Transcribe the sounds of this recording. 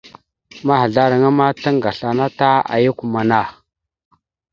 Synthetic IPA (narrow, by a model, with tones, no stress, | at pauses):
ma˦ha˨ɮa˦ɾa˨ŋa˦ma˦ta˦ŋɡa˨ɬa˨na˦ta˦a̰˨ju˦ku˨ma˨na˦˨